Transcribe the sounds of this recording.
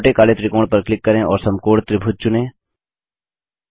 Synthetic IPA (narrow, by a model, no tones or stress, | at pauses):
ʈekaːlet̪ɾikoːɽ̃pɐɾklɪkːɐɾẽʔɔːɾsɐmkoːɽt̪ɾɪbʱʊt̪̚t͡ʃʊnẽː